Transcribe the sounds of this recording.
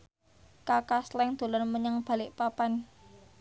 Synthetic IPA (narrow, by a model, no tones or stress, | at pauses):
kakaslɛŋd̪̥o̤lɔrməɲəŋb̥ä̤lɪʔpapan